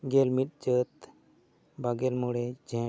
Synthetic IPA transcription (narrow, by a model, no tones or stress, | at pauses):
ɡelmit̪̚d͡ʑət̪ | bʱaɡelmuɽed͡ʑʱɛ̃